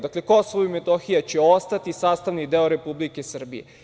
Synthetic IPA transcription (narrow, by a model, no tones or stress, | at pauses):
d̪akle̞ko̞soʋoimet̪oxijat͡ɕeost̪at̪isaːst̪aʋnid̪eoɾe̞publike̞sr̩bḭjḛ